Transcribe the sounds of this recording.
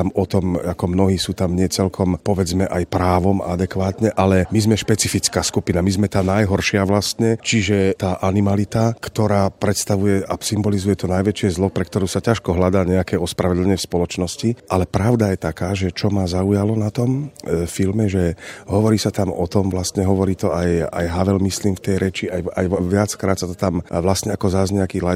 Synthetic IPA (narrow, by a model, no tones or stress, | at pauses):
amɔt̪ɔmakɔmnɔɦiːsuːt̪amɲɪɛt͡sɛlkʰɔmpɔʋɛd͡zmɛʔajpɾaːʋɔm̰a̰d̪ɛkʋaːt̪ɲɛʔalɛmizmɛʃpɛt͡sifit͡skaːskupinamizmɛt̪aːnajɦɔɾʃɪaʋlast̪ɲɛt͡ʃiʒɛt̪aːʔanimalit̪akt̪ɔɾaːpɾɛt̪st̪aʋujɛʔasimbɔlizujɛt̪ɔnajʋɛt͡ʃɪɛzlɔpɾɛkt̪ɔɾuːsacaʃkɔɦlad̪aːɲɛakɛːɔspɾaʋɛd̪l̩ɛɲɪɛfspɔlɔt͡ʃnɔsciʔalɛpɾaʊd̪ajɛt̪akaːʒɛt͡ʃɔmazaujalɔnat̪ɔmfilmɛʒɛɦɔʋɔɾiːsat̪amɔ̰t̪ɔmʋlast̪ɲɛɦɔʋɔɾiːt̪ɔaja̰jɦaʋɛlmisliːmft̪ɛjɾɛt͡ʃiajajʋɪat͡skɾaːt̪sat̪ɔt̪amʋlast̪ɲɛakɔzazɲɛakiːla